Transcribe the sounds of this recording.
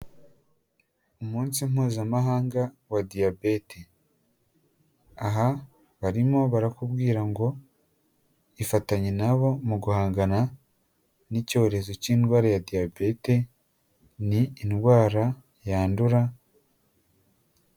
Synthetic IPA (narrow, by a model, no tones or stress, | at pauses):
umuːnsim̥uːzamaɦaːŋɡa | wadiabe̞te | aɦa | βaɾimo̞βaɾakubɡiːɾaŋɡo̞ | ifataɲenaβo̞muɡuhaːŋɡana | nico̞ɾe̞zo̞ciːnɡwaːɾajadiabe̞te̞ | niːnɡwaːɾa | jaːnduɾa